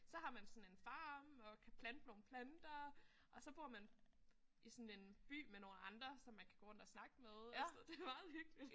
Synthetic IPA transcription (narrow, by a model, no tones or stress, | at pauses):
sɒ̽ɦɑ̈mænsɒ̽n̩e̝nfɑ̈ːmɒ̽kʰæpʰlænd̥əno̝ːn̩pʰlænd̥ɐ | ʔɒ̽sɒ̽b̥uɐ̰mæn | ʔisɔ̽ne̝nb̥y̰ːmeno̝ːnɑ̈nd̥ʁɐsɒ̽mːænkʰæ̥ɡ̥o̝ːɔ̽n̰d̥ɒsnɑ̈ɡ̥əmeðˠæsɐd̥e̝ʋɑð̩ˠhyɡ̥lid̥